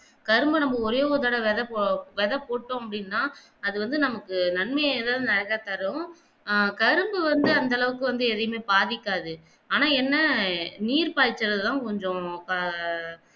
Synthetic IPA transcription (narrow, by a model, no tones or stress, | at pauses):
kɐɾɯmbɯnɐmbɐɔɾɐjooðaːɽɐʋɛðɐʋɛðɐpoːʈːõːɐpːɐɽɪnːaː | ɐðɯʋɐnd̪ɯnɐmɐkːɯnɐnmɐjðaːðɯnɐɾɐɣat̪ɐɾɯʊ̃ | kɐɾɯmbɯʋɐnd̪ɯɐnd̪ɐlɐʋɯkːɯ̃ʋɐnd̪ɯɛðɐjɐmeːbaːðɪkːaːðɯ | aːnaːɛnːɐniːɾpaːɪt͡ʃːɪɾɐðɯt̪ãːkɔɲd͡ʒɔ̃kɐ